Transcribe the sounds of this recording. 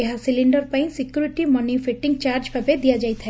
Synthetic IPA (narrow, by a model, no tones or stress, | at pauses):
eɦasɪlɪ̃ɳɖəɾpaĩsɪkjuːɾɪʈimanifʰeʈɪ̃ŋɡ̚t͡ʃaːɾd͡ʒpebed̪ijad͡ʒaːit̪ɛ